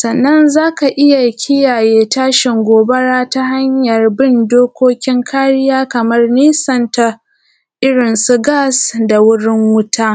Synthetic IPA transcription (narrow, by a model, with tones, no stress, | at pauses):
sɐ˨nːɐ˦nzaː˦ka˨ʔɪ˦ja˨kʲʰɪ˦jaː˨jeː˦taː˦ʃɪ˨ŋɡʷoː˨bɐ˦ɽaː˦ta˦ɦa˦ɲjɐ˨rbɪ˦˨ndoː˦kʷoː˦kʲɪ˦ŋkʰaː˦ɽɪ˦jaː˦kɐ˨mɐ˦rniː˦sɐ˨nta˨ | ʔɪ˦ɽɪ˨nsu˦ɡaː˦˨sda˨wʊ˦ɽɪ˦ŋwʊ˦tʰaː˦